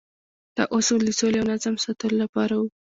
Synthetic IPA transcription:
t̪ɑ̰ʔosuld̪əsoleawnazamsɑt̪əlolapɑɾawu

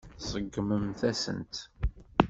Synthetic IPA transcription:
θsˤəɡːməmθæsə̰nt̪

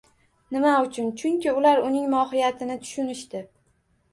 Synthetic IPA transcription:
nɪmaʊt͡ʃʰʊnt͡ʃʰʊŋkʲɪʊlaɾʊnɪŋmɒɦɪjat̪ʰɪnɪt̪ʰʊ̥ʃʊnɪʃt̪ɪ

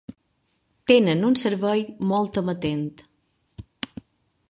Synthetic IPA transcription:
t̪enənunsəɾβɛjmɔlˠt̪əmət̪ent̪

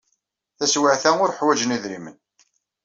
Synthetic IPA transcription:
θæswəʕθæʊɾħwæd͡ʒəniðɾimən

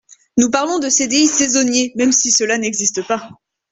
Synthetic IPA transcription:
nupaʁlɔ̃d̪əsed̪eisezɔnjemɛmsisəlanɛɡzist̪əpa

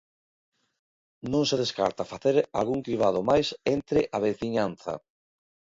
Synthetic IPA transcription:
nõŋseðeska̰ɾt̪afaθeɾa̰lɣuŋkiβ̞að̞omajsent̪ɾɪʔaβ̞eθiɲanθɐ̰

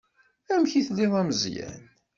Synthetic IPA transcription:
æmçiθlɪðˤæməzjæ̰n

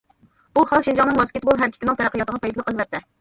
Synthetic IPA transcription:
uhɑlˠʃind͡ʒɑŋnɨŋwɛskʲet̪̚ɡolˠɦæɾkʲi̥t̪ɪnɪŋt̪ɛɾæqːəjɑt̪əʁɑpʰɑjd̪ɨlˠəqʰːəlˠɨvɛt̪̚ːɪ

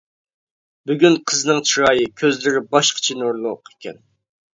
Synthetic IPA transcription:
byɡʲynqʰəznɨŋt͡ʃʰiɾɑːjɨkʲʰøzlɪɾɪbɑʃqʰə̥t͡ʃʰinuɾlˠʊqe̥kʲɛ̰n

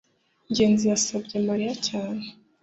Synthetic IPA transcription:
ɲɟe̞ːnzijasab̚ɟemaɾijacaːne

